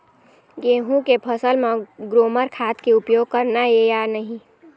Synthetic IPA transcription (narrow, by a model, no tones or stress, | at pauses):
ɡeːɦũkepʰəsəlmãɡɾoːməɾkʰaːt̪keʊpjoːɡ̚kəɾnaejanəɦĩ